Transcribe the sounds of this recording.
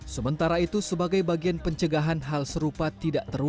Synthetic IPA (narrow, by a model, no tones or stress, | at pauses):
səmənt̪aɾait̪usəbaɡajbaɡianpəɲt͡ʃəɡaɦanɦalsəɾupat̪idaʔt̪əru